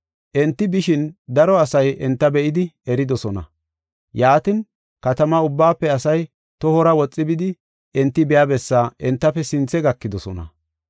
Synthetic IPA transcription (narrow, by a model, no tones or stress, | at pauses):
ʔɛnt̪ːɪbɪʃɪnd̪ɐɾɔɐsɐjʔɛnt̪ːɐbɛʔɪd̪ɪɛɾɪd̪ɔsɔnɐ̰ | jaːt̪ɪn | kɐt̪ɐmɐʊbːaːpːɛɐsɐj | t̪ɔhɔɾɐwɔt͡sʼːɪbɪd̪ɪ | ʔɛnt̪ːɪbɛjabɛsːaːʔɛnt̪ːɐpːɛsɪnt͡sːɛɡɐkːɪd̪ɔsɔnɐ̰